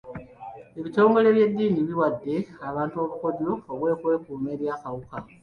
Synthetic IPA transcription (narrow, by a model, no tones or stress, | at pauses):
e̞βito̞ːŋɡo̞le̞βje̞dːiːniβiwadːe̞aβaːntuo̞βuko̞ɟuoβwe̞ːkwe̞ːkuːme̞ɾjakawuka